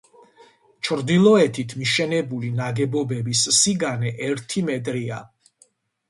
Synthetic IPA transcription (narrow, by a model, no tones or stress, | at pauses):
t͡ʃʰɾd̪ilˠɔɛt̪ʰit̪ʰmiʃɛnɛbulinaɡɛbɔbɛbissiɡanɛʔɛɾt̪ʰimɛt̪ʼɾia